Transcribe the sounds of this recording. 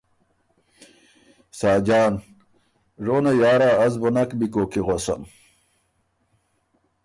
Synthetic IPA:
saːd͡ʑaːn | ʐoːnajaːɾaːzbonɐkbikoːkiʁosɐ̰m

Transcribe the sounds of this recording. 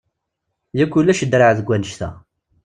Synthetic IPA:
jækːulːæʃəd̪ɾaʕðəɡʷːænəʃt̪æ̰

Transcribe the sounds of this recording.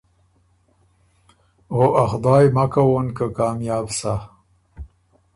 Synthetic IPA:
ɣoʔaxd̪ɑːjmakawonkakɑːmjɑːbsa

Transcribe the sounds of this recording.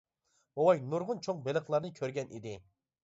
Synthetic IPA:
owɑjnuɾʁʊnt͡ʃʰoŋbelˠəχlˠɑɾnɨkʲʰøɾɡʲɛnḭd̪ɪ

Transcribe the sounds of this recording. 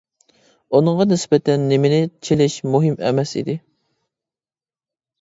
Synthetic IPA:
unɨŋʁɑnɪsbɛt̪ʰɛnːɪmɪnɪt͡ʃʰelɪʃmuɦɪmɛ̰mɛsḭd̪ɪ

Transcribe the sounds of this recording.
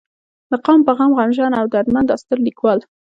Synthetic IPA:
d̪əqɑmpaɣɑmɣɑnʒɑnawd̪əad̪mand̪ɑst̪əɾlikwɑl

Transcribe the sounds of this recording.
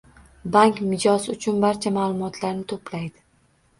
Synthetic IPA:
baŋkmɪd͡ʒɒsʊt͡ʃʰʊnbaɾt͡ʃʰamaːlˠʊmɒt̪ʰlaɾnɪt̪ʰoplajd̪ɪ

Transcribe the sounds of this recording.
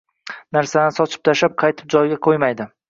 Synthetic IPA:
naɾsad̪ansɒt͡ʃʰɪ̥p̚t̪ʰaʃap̚qʰɑjt̪ʰɪ̥p̚d͡ʒɒjɡʲaqʰojmajd̪ɪ

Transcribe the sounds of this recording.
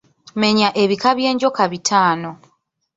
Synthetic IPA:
me̞ɲaʔe̞βikaβje̞ːɲɟo̞kaβitʰaːno̞

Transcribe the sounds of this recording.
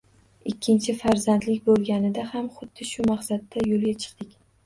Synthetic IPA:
ɪkʲʰːɪnt͡ʃʰɪfaɾzand̪lɪkʲbolˠɡʲanɪd̪ahamχʊd̪ːɪʃʊmaχsat̪ːajolˠɡʲat͡ʃʰɨ̥qt̪ɪkʲ

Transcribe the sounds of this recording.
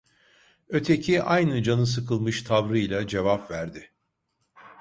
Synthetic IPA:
ø̞t̪ʰe̞cʰiʔajnɯd͡ʒanɯs̬ɯkʰɯlˠmɯʃt̪ʰavɾɯjlʲˠad͡ʒe̞vapvæɾd̪ɪ

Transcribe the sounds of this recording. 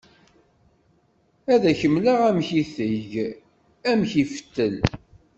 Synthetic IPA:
æðæçəmːlaʁæmçiθəʝ | æmçifə̥t̪ːəl

